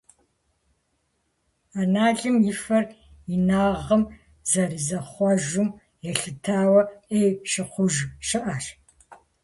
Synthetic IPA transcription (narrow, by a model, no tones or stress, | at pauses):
anaːɮʼɨmjɪfɐr | inaːʁɐm | zɐɾizɐχʷɔʒʊm | jɛɬɨtʰaːwɐejʃɪqʷʊʒʃɨʔaːɕ